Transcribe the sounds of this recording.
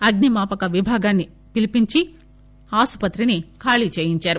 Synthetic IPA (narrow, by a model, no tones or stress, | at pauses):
ɐɡnimaːpɐkɐʋibʱaːɡaːnːi | pilipiɲt͡ʃi | aːspɐt̪ɾinikʰaːɭit͡ʃeːjiɲt͡ʃaːɾu